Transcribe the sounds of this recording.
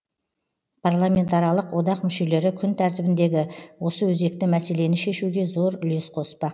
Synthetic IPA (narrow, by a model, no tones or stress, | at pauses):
pʰarlˠamʲe̞nt̪ɑɾijɑlˠəqwo̞d̪ɑqmʏʃe̞le̞ɾɪkʲʰʏnt̪ʰæɾt̪ɪbɪnd̪e̞ɡʲɪwo̞səwɵze̞k̚t̪ɪmæse̞le̞nɪʃe̞ʃuɡʲe̞zo̞ɾʏle̞sqʰo̞spɑq